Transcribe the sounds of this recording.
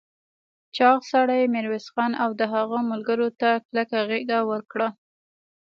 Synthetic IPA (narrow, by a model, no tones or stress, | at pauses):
t͡ʃɑɣsaɽajemɪɾwɪsxɑnawd̪əɦaɣəmʊlɡəɾot̪aklakaɣeɡawəɾkɽa